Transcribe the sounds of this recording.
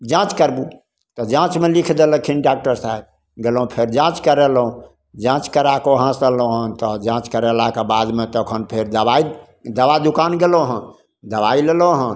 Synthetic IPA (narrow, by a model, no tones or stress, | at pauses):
d͡ʒãt͡ʃkəɾbu | t̪ɔd͡ʒãt͡ʃmelikʰd̪elə̃kʰinɖak̚ʈəɾsaeb̚ | ɡelũpʰeɾd͡ʒãt͡ʃkəɾɛlɦũ | d͡ʒãt͡ʃkəɾakoɦãsəloɦənt̪ɔd͡ʒãt͡ʃkəɾɛlakebad̪met̪əkʰənpʰeɾd̪əba | d̪əbad̪ukanɡeloɦə̃ | d̪əbaileloɦə̃n